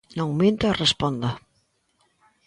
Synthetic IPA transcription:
noŋmint̪arespond̪a

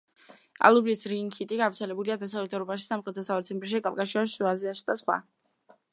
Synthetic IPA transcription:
a̰lˠublisɾiŋkʰit̪ʼiɡavɾt̪sʰɛlɛbuliad̪as̬avlɛt̪ʰɔɾɔbaʃi̥samχʼɾɛt̪ʰɔsavɛt̪sɛmt̪ʼɾʃikʼalˠkʼaʃiɔʃʃuaziaʃd̪asχwa̰

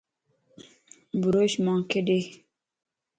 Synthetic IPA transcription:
buɾoɕmɑ̃ːkeɖe

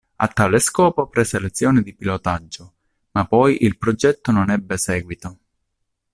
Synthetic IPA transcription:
a̰t̪ːaːleskɔːpopɾeselet̪sːjɔːnɪd̪ipilot̪ad͡ʒːo | mapːɔjʔilpɾod͡ʒɛt̪ːononɛbːesɛːɡwit̪o

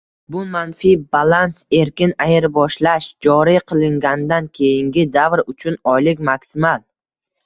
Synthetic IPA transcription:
bʊmanfibalˠanse̞ɾkʲɪnajɪɾbɒʃlaʃd͡ʒɒɾiqʰɨlˠɪŋɡʲanɪd̪ankʲʰe̞jɪŋɡʲɪd̪avɾʊt͡ʃʰʊnɒjlɪkʲmaksɪmalˠ

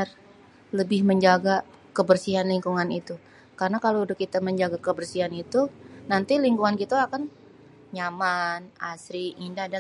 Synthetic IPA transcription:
r | ləbɪhməɲd͡ʒaɡa | kəbərsiɦanliŋkuŋanit̪u | karənakaloudakit̪aməɲd͡ʒaɡakəbərsiɦanit̪unant̪iliŋkuŋankit̪aakan | ɲamanasɾiʔːndahda

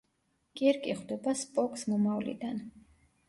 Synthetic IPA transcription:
kʼiɾkʼiχwd̪ɛbaspʼɔkʼsmɔmavlḭd̪an

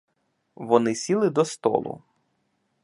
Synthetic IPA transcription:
ʋɔnɪsʲilˠɪd̪ɔst̪ɔ̰lˠʊ̰

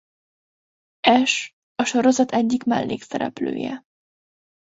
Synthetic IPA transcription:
ɛʃ | ɒʃo̞ɾo̞zɒt̪ʰɛɟːikmɛlːeːksɛɾɛ̰plø̰ːjɛ

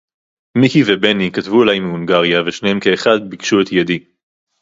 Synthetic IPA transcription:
mikivebenikatvuelajmiuŋɡaʁijaveʃnehemke̞ːχad̪bikʃuet̪jad̪i

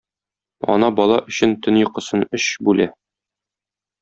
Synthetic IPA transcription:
ɒ̰nɑbɒlˠɑʔɵ̆ɕɘnt̪ɵnjŏqɤ̆sɤnɵɕbʉlæ

